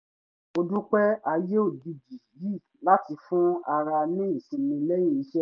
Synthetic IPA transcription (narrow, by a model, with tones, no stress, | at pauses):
o˧dũ˦k͡pɛ˦a˧je˦o˦˨di˧d͡ʒi˨ji˦˨ | la˦ti˧fũ˦a˧ɾa˧nĩ˦ĩ˨sĩ˧mĩ˧lɛ˦j̃ĩ˦˨i˨˦ʃɛ˦